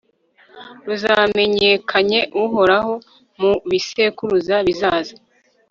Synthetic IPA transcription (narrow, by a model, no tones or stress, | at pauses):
ɾuzame̞ɲekʰaɲe̞ʔuɦo̞ɾaɦo̞ | muβise̞kuɾuzaβizaːza